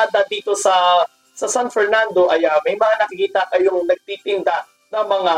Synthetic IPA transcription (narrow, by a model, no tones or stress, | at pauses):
ad̪ɐd̪iːt̪o̞sɐ | sɐsanfɛɹnand̪o̞ʔɐjɐmɐjmɐŋanɐkɪkiːt̪ɐkɐjoŋnɐɡ̚t̪iːt̪ɪnd̪aʔ | nɐŋmɐŋa